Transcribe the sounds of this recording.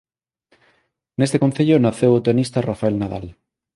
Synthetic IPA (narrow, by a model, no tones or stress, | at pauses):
nest̪ekon̟θeʎonaθewot̪eonist̪arafaelnaða̰l